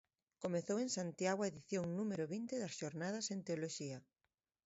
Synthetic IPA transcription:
komeθowẽŋsant̪jaɣwaeðiθjoŋnumeɾoβint̪eðɐsʃoɾnaðɐsent̪eoloʃiɐ

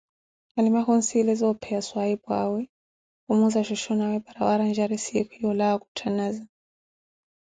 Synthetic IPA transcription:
alimakɔn̩silɛzɔpʰɛaswaibwawɛ | umuzaʃɔʃɔnawɛbaɾawaɾand͡ʒaɾɛsiɛkʰɔiɔlawaku̥tʰanaza

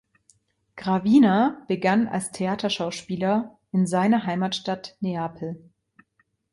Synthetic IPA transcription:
ɡ̥ʁaviːnab̥əɡana̰lstʰeaːtʰɐʃaʊʃpiːlɐ | ʔɪnzaɪnɐɦaɪmaːtʃtatneaːpʰl̩

